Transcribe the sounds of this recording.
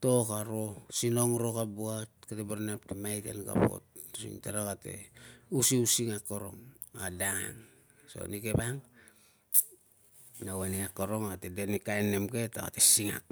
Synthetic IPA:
tokaɾo̞sino̞ŋɾo̞kabuat̚katebaɾnaptemajtḛnɡa̰po̞̰t̚sḭŋtaɾakate̞̰usiusiŋakːoɾo̞ŋ | adaŋa̰ŋ | so̰nikebaŋ | naweniakoɾo̞ŋatedenikaenːemke̞ta̰ka̰tesiŋa̰k

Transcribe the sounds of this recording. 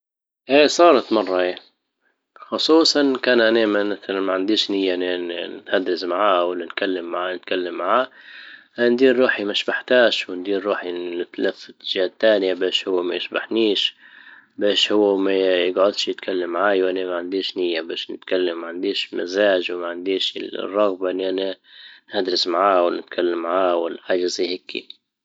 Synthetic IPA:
ʔeːsˤɑːɾˤɑt̪mɑrˤːɑʔa | xʊsˤuːsˤɑnkaːnʔanemamaθalanmaʕand̪iːʃnɪjːanɪnhad̪ːɪsmaʕaːwɪlːankalːɪmːaʕanɪt̪̚kalːamːaʕaːʔand̪iːɾːuːħimaʃbaħt̪aːʃwɪnd̪iːɾːuːħinɪt̪lafɪt̪ːɪ̥ʒaːt̪ːaːnjabeːʃhʊwːamajɪʃbaħniːʃ | beːʃhʊwːamajɪɡʕʊd̪ʃjɪt̪kʰalːamːaʕaːjwʔanamaʕand̪iːʃnɪjːabeːʃnɪ̰t̪kalːamːaʕand̪iːʃlmazaːʒwmaʕand̪iːʃɪ̰l̰rˤːɑɣbaʔnːʔananhad̪ɾɪsmaʕaːwɪlnɪt̪kʰalːamːaʕaːwɪlːħaːʒazihɪkːḭ

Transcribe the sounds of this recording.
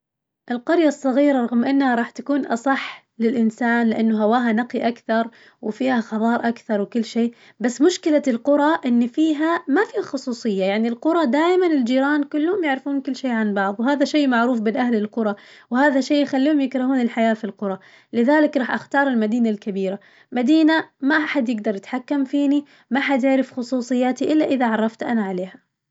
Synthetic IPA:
ʔɪlqʊɾjasˤːɑɣiːɾaˤɑɣmʔɪnːhaɾˤɑːħt̪akuːnʔɑ̰sˤɑħ | lɪlʔɪnsaːnlɪʔanːʊɦawaːɦanaqiʔakθɑɾˤ | wɪfiːhaxɑðˤɑːɾˤʔakθɑɾˤwɪkʊlːʃeː | basːmʊʃkɪlalqʊɾˤɑʔɪnːfiːɦamafixʊsˤuːsˤɨjːajaʕnilqʊɾˤɑd̪aːjmanɪld͡ʒiːɾɑːnkʊlːhʊmjɪʕɾɪfuːnkʊlːʃeːʕanbɑʕðˤwɦaːðaʃeːmaʕɾuːfbɪnʔahlɪlqʊɾˤɑwhaːðaʃeːjxalːiːhʊmjɪkɾˤɑhuːnɪlħajaːfilqʊɾˤɑ | lɪðaːlɪkɾˤɑːħʔaxt̪ɑːɾˤɪlmad̪iːnalkabiːɾa | mad̪iːnamaʔaħad̪jɪɡd̪ɑɾˤjɪt̪ħakːamfiːni | maʔaħad̪jɪʕɾɪfxʊsˤuːsˤɨjːaːt̪iʔɪlːaʔɪðaʕɑrˤːɑft̪ʔanaʕaleːha

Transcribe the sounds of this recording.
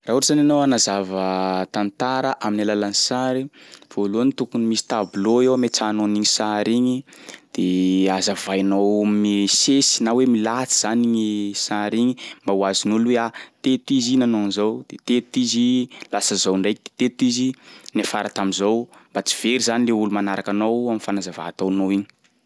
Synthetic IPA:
raɦuɾizananowanazavət̪ant̪aɾəʔaminalalansaɾiv̥oluanit̪ukunimisi̥t̪abloewmet͡sanoniɲisaɾiɲid̪̥eazavajnowmisesinawemilat͡si̥z̥aniɲisaɾiɲimbawazinolueat̪et̪izinanonizowd̪̥et̪et̪izilasəzowɳɖ͡ʐajkid̪̥e̥t̪et̪izinafaɾat̪amizowmbat͡si̥v̥eɾizanileulumanaɾakanowamifanazava̰t̪anowiɲi̥

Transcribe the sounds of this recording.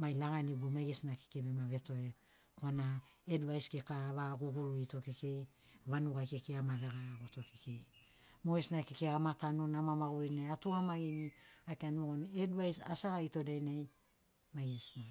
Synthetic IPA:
majlaɡaniɡumajɡesnake̥kebemaβe̞to̞ɾe | koana | edβajskekaβaɡuɡuɾuito̞kekej | βanuɡajkekeamaβeɡaɡoto̞kekej | moesnakekeamatanunamamaɡuɾinejatuamaɡiniajkanuɡonedβajsasaɡaito̞dejnej | majɡesna

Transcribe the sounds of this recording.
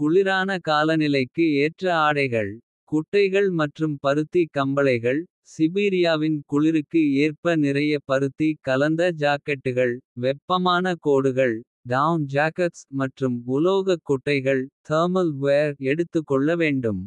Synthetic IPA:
kʊɭɪɾaːnɐkaːlɐnɪlɐɪkːɯeːʈrɐaːɽɐɪɣɐɭ | kʊʈːɐɪɣɐɭmɐʈrɯmpɐɾɯt̪ːikɐmbɐlɐɪɣɐɭ | sɪbiːɾɪjaːʋɪnkʊɭɪɾɯkːɯeːrpɐnɪɾɐjɐpɐɾɯt̪ːikɐlɐnd̪ɐd͡ʒaːkːɛʈːɯɣɐɭʋɛpːɐmaːnɐkoːɽɯɣɐɭ | ɖand͡ʒaːkɐʈsmɐʈrɯmʊloːɣɐkːʊʈːɐɪɣɐɭt̪ʰɐːɾmɐlʋeːɾɛɽɯt̪ːɯkːɔɭːɐʋeːɳɖɯm

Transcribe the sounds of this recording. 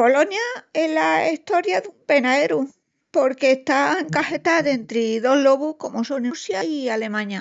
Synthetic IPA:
po̞lo̞njae̞laiht̪o̞ɾjaðumpe̞naeɾu | po̞ɾke̞ːhst̪aeŋkahet̪aðe̞nt̪ɾeðo̞ɦlo̞βuhko̞mo̞so̞nusjaiale̞mãɲa

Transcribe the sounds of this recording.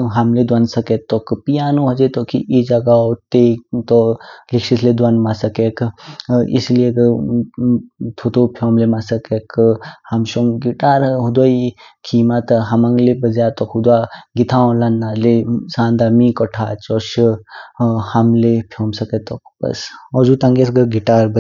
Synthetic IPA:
ɦɐmled̪wansɐket̪ːɔkpijaːnũɦɐd͡ʒet̪okḭʔid͡ʒaɡaot̪et̪ɔlikʃisled̪wanmasɐkek | ḭsliek | t̪ʰot̪opʰjoːmlemasɐkekʰhɐmʃɔŋɡiʈaːɾɦud̪waikʰiːmat̪ɦɐmɐŋɡlebɐzaːt̪ɔkʰud̪waɡit̪ʰaõlanːalesãːnd̪amĩkɔʈʰaːt͡ʃɔʃ | hɐmlepʰjɔːmsɐket̪ɔk̚bɐ̰sɔd͡ʒut̪ãŋɡesɡəɡiʈaːɾb

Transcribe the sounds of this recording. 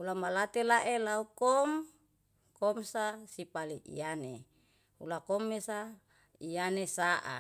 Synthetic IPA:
ulamalat̪elaʔelaukɔm | kɔmsasipaliʔḭjane | ṵlakomːesa | ijanesaʔa̰

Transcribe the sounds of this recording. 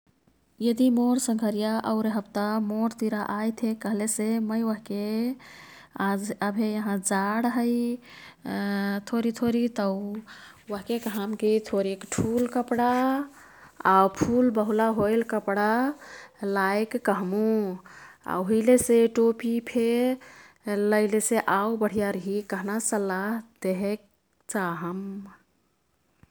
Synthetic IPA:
jəd̪imoɾsə̃ŋɡʱəɾijaʔəʊɾeɦəbt̪amoɾt̪iɾaʔajt̪ʰekəɦleseməjwəɦke | ad͡ʒəbʱejəɦãd͡ʒaɽɦəj | t̪ʰoɾit̪ʰoɾit̪əʊ | wəɦkekɦamkit̪ʰoɾekʈʰulkəpɽa | aupʰulbəɦulaɦojlkəpɽa | laekːəɦmu | a̰oɦileseʈopipʰe | ləɪleseʔawbəɽ̤ijaɾəɦikəɦnasəlːaɦd̪eɦɛk̚ | t͡ʃaɦəm

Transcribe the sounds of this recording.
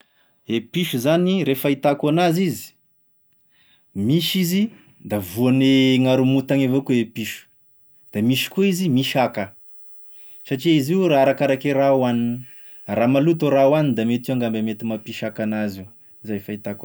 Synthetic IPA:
epiʃuzaniɾefait̪akanazizi̥ | miʃizi | d̪avuaneŋaɾumut̪aŋavokuepiʃu̥ | d̪̥amiʃi̥kuizimiʃakə | saʈ͡ʂiiziuɾaaɾakaɾakeɾawanin | ramalut̪oɾawanind̪amet̪uaŋɡambamet̪imapiʃakanazi | zaefait̪ak

